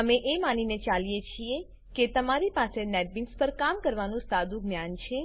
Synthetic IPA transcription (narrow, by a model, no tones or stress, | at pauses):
əmeʔemaninet͡ʃalijet͡ʃʰie | ket̪əmaɾipasenɛʈ̚bɪ̃ŋkspəɾkamkəɾʋanũsad̪ũɡnjant͡ʃʰe